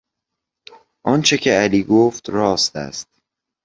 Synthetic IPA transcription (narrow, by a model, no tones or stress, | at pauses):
ʔɒːnt͡ʃʰe̞cʰeæliːɡoft̪ɾɒːst̪æ̰st̪̚